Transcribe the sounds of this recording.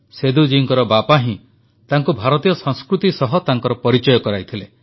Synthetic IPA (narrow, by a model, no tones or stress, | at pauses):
sed̪ud͡ʒiŋkɔɾɔbapaɦĩ | t̪aŋkubʱaɾɔt̪ijɔsɔ̃ŋskɾut̪isɔɦɔt̪aŋkɔɾɔpɔɾit͡ʃɔjɔkɔɾajt̪ʰile